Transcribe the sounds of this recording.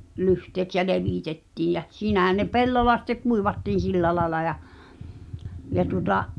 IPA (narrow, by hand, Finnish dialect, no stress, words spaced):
lyhteːks jæ leʋiˑtetːiːj jæ siːnæhæn ne pelːolːɑ sĭtːe kuiʋɑtːiːn̞ silːæ lɑĕlɑ jɑ jɑ tuotɑʔ